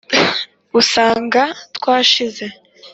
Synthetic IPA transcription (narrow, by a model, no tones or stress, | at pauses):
usaːŋɡatkwaːʃize̞